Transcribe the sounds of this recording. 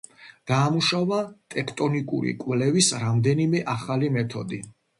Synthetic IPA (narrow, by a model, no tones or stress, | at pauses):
d̪̥aːmuʃavat̪ʼɛkʰt̪ʼɔnikʼṵɾḭkʼwlɛvisɾamd̪ɛnimɛʔaχalimɛt̪ʰɔd̪i